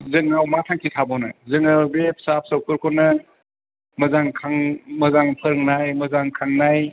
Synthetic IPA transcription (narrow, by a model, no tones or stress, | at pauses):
zɯŋawmatʰaŋkʰitʰabɔnɯzɯŋɯbepsap̚sɔwkʰɯɾkʰɔnɐ | mɐzaŋkʰaŋmɐzaŋpʰəɾɯŋnajmɐzaŋkʰaŋnaj